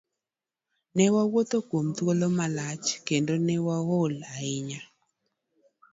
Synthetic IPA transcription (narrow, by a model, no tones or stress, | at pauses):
nɛwawot̪okwomt̪wolomalat͡ʃkendonɛwaɣolaɪɲa